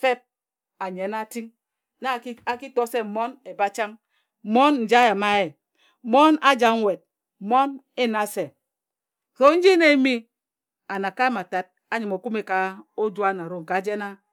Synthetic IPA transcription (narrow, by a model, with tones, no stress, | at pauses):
fe˦p̚ | a˨ɲe˨na˦ti˦ŋ | na˦˨˦a˨ki˦tɔ˦se˦m̩˨mo˦ne˨ba˦t͡ʃa˦ŋ̩˨ | mo˦nn̩˨d͡ʒa˦ja˨ma˦e˨ | mo˦na˦d͡ʒa˨ŋ˦we˨t̚ | mo˦n | e˦na˨se˨ | so˦n̩˦d͡ʒi˦ne˦i˦mi˦ | a˨na˨ka˦e˦ma˨ta˨t̚ | a˦ɲi˨mo˨ku˦me˨ka˨o˦d͡ʒu˦a˦na˨ɾo˦˨ŋ̩˨ka˨˦d͡ʒe˦na˦